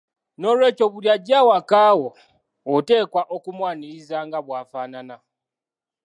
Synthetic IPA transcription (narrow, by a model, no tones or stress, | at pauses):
no̞ːlwe̞ːco̞βuɾjaɟaːwakaːwoː | te̞ːkwaʔokumwaːniɾizaŋɡaβwaːfaːnana